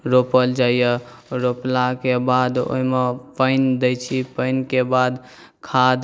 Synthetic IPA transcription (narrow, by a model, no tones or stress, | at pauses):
ɾopəld͡ʒaijəɾoplakebad̪o̰ɦimepəɪnd̪ejt͡ʃʰipəɪnkebad̪ | kʰad̪